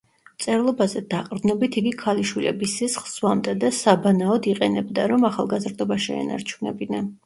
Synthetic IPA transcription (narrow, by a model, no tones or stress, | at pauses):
mt̪sʼɛɾlˠɔbazɛd̪aqʼd̪nɔbit̪ʰiɡikʰaliʃwilɛ̰bisisχlz̥wamd̪ɛd̪asabanaɔd̪iqʼɛnɛbd̪aɾɔmaχa̰lˠɡazɾd̪ɔbaʃɛ̰ɛ̰na̰ɾt͡ʃʰunɛ̰bina